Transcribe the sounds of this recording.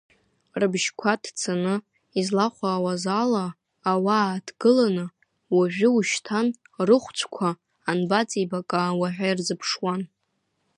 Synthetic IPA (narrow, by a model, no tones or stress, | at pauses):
rɨbʒkʷʰatʰt͡sʰanɨ | izlaχʷaːwazalaː | waːdʰɡɨlanɨ | waʒᶣɪuʃtʰan | rɨχʷt͡ʃʷʰkʷʰaː | nbat͡sʼibakʼawaʕʷᶣajrzɨpʰʂwan